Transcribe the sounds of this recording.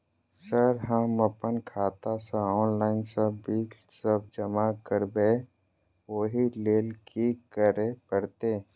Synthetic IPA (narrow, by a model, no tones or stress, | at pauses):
səɾɦəmːəpənkʰaːt̪asãɔːnlaːɪnsəbbiːksəb̚d͡ʒəmakəɾbe | woɦileːlkikəɾepəɽt̪eː